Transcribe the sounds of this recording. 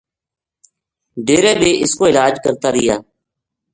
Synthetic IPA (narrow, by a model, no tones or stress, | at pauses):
ɖeːɾẽːɗeːʔɪskoːɪlaːd͡ʒkəɾt̪aːɾɪjaː